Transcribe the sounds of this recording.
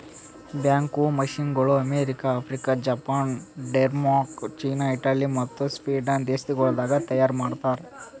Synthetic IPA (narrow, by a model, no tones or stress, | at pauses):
bjaːŋkumɐʃiŋɡɐɭuɐmeːɾikaːpʰɾikad͡ʒɐpaːnɖeɾmaːɾkt͡ʃiːnaiʈaːlimɐt̪ːuspiːɖɐnd̪eːst̪iɡɔɭd̪aːɡɐt̪ɐjaːɾmaːɖt̪aːɾe